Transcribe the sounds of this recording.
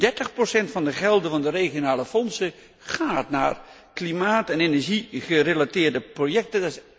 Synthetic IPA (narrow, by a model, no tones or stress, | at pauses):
dɛɹtəχprosɛntfɑndəχɛlˠdəvɑndəreːχjonaːləfɔnsə | χaːtna̰ːr | klimaːtɛnenɛɹʒiχərelatɪːɹdəprojɛk̚təds